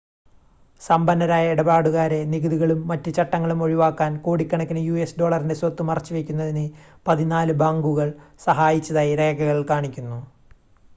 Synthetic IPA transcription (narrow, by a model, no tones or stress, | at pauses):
sɐmbɐnːɐɾaːjɐiɽɐbaːɽuɣaːɾe̞niɣɐðuɣɐɭumːɐtːɨt͡ɕɐʈːɐŋːɐɭumo̞ɻiʋaːkːaːnkoːɽikʲːɐɳɐkʲːinɨjuːesɖo̞ːɭɐrinde̞swot̪ːumɐrɐt͡ɕːuʋekʲːunːɐðinɨ | pɐðinaːlɨbaːŋɡuɣɐɭsɐɦaːjit͡ɕːɐðaːjiɾe̞ːɡɐɣɐɭikaːɳikʲːunːu